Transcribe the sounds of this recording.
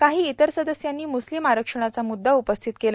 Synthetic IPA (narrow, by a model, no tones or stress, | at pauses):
kaɦiːit̪əɾsəd̪əsjanːiːmuslimaɾəkʂəɳ̃at͡samud̪ːaupəst̪ʰit̪kel